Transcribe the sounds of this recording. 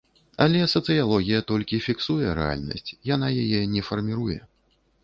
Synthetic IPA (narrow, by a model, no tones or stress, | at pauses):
ɐlʲɛsɐt̪sɨjalˠɔɣʲijɐt̪ɔlʲkʲifʲiksujɛɾɛ̰a̰lʲnɐ̰sʲt͡sʲjanajajɛnʲɛfɐrmʲiɾujɛ̰